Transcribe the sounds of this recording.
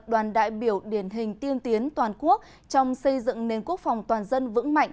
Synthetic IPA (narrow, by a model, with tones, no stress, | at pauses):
ɗwaː˨˩nɗa̰ː˧˨jɓi˧˩əwɗi˧˩ənɦï˨˩ŋ̟t̪i˧əmt̪i˨˦ənt̪waː˨˩nku˦˥ək̚ | t͡ɕɔ˧wŋ͡msə˧jzɨ̰˧˨ŋne˨˩nku˦˥ək̚fa˨˩wŋ͡mt̪waː˨˩nzə˧nvɨ̰˧˥ŋma̰˧˨jŋ